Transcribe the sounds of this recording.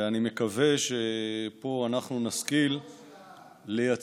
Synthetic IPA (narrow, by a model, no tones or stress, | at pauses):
animekave̞ʃepo̞anaχnunaskil | eja